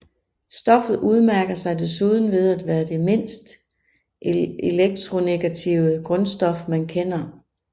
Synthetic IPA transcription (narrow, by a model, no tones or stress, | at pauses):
sd̥ɒ̽fð̞̩ˠuð̞ˠmæɐɡ̥ɐsɑ̈ɪd̥e̝s̬uð̞ˠn̩ʋe̝ð̞ˠæd̥ʋæːɐd̥e̝me̝n̰sd̥ | ʔeleɡ̥̚t͡sʰʁo̝neɡ̥æt͡sʰiʊəɡ̥ʁɔ̽nsd̥ɒ̽fmænkʰen̰ɐ